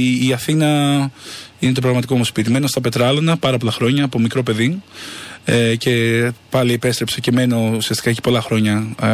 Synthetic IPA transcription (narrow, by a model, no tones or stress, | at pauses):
ɐθinɐ | ine̞t̪̬oɾɐɣmɐt̪iko̞muspit̪ime̞nost̪ɐpe̞t̪ɾɐlonɐpɐɾɐpo̞lɐxɾo̞ɲɐːpo̞mikɾo̞pe̞ði | ece̞pɐliepe̞st̪ɾepsece̞me̞no̞usiɐst̪ikɐeci̥po̞lɐxɾo̞ɲɐ